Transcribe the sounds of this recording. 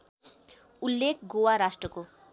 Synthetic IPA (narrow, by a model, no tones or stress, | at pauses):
ulːekʰɡowaɾasʈrʌko